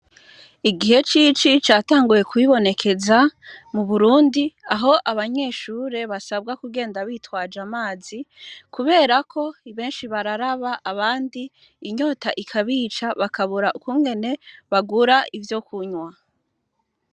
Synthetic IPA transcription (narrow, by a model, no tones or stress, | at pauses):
iɡihe̞t͡ʃit͡ʃit͡ʃaːtaːŋɡuje̞kuβiβo̞ne̞kʰe̞zamuβuɾuːndiaɦo̞ʔaβaɲe̞ʃuːɾe̞βasab̚ɡakuɡe̞ːndaβiːtwaːd͡ʒamaːzikuβe̞ːɾakʰo̞iβe̞ːnʃiβaɾaɾaβaʔaβaːndiː | ɲo̞taʔikʰaβiːt͡ʃaβakaβuɾaʔukumɡe̞ne̞βaɡuɾaivjo̞kʰuɲwa